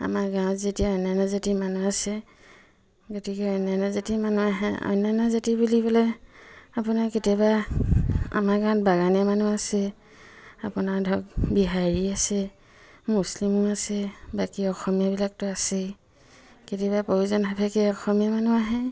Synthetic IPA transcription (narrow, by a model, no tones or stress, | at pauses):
a̰maɡãw̃tzetijaɔjnanɔzatimanuasɛ | kotikɛɔjnanɔzatimanuaɦɛ̰ɔ̰jnanɔzatibulibɔlɔ | apunaketiaba | a̰maɡãw̃t̚baɡanɛmanuasɛ | apunaɹdʱɔk̚biɦaɹiasɛ | muslimɔasɛbakiɔxɔmijabilak̚tʊasɛ | ketiβapojuzɔnɦapʰɛkɛɔxɔmiamanuaɦɛ